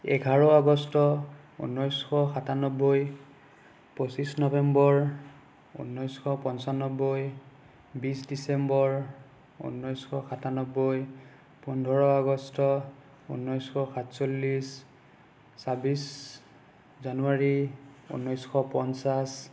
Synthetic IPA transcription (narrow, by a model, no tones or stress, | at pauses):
ɛ̰kʰaɹɔaɡɔstɔ | ṵnːɔjsxɔxatanɔboj | posisnɔbɛmbɔɹ | ṵnːɔjsxɔpɔnsanɔboj | bisdisɛmbɔɹ | ṵnːɔjsxʰɔxatanɔboj | pɔndʱɔɹɔaɡɔstɔ | ṵnːɔjskʰɔxatsolːis | sabis | zanuaɹiṵnːɔjsxɔpɔnsas